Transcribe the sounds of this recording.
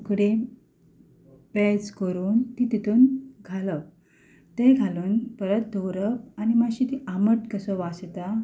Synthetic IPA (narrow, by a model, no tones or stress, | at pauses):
ukɽe | pet͡skəɾuːnt̪it̪it̪uːnɡʱalə | t̪eɡʱaluːnpəɾət̪̚d̪ʱəwɾəpanimaɕit̪iʔaməʈkəsəʋast̪a